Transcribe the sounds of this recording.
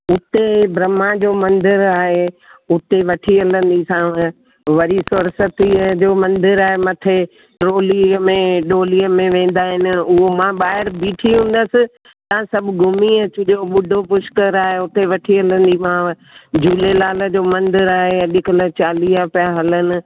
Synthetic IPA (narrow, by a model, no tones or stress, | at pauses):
ʊt̪ebɾɐmãd͡ʑoːmɐ̃nd̪ɪɾaːɦeʊt̪eʋɐʈʰiɐlə̃nd̪isã | ʋɐɾisʊɾsət̪id͡ʑoːmɐ̃nd̪ɪɾaːɦemɐt̪ʰe | ʈɾoːlimẽɗoːliəmẽʋẽːnd̪aːɦɪnɪ̆ʊɦomãɓaːɦɪɾbiːʈʰiɦũːn̆d̪əsɪ̆ | t̪ɐãsɐbʱɡʱʊmiət͡ɕʊʄoɓʊɖʱopʊʃkəɾaːɦeʊt̪eʋɐʈʰiɐlə̃nd̪imã | d͡ʑuːlelaːlə̆d͡ʑoːmɐ̃nd̪ɪɾaːɦeɐɗɪkələt͡ɕaːliːapɪjaɦɐlənɪ̆